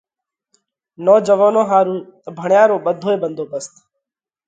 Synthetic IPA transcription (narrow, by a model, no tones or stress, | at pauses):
nɔːd͡ʒəʋoːnõːɦaːɾũːbʱəɳjaːɾõːɓəd̪ʱoːeːɓənd̪ʱoːpəst̪